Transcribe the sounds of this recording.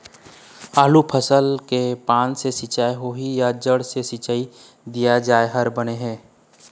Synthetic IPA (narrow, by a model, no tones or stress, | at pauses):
aːlupʰəsəlkepaːnsesɪt͡ʃaːeɦoɦijad͡ʒəɽsesɪt͡ʃaːi | d̪ijad͡ʒaːeɦɐɾbəneɦɛ̃ː